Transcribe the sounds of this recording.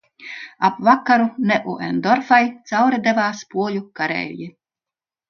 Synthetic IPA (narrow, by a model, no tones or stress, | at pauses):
apvakːaɾunɛʔuʔɛ̰nd̪ɔɾfajt̪sawɾɛd̪ɛvaːspuɔlʲukaɾɛ̰ːlʲji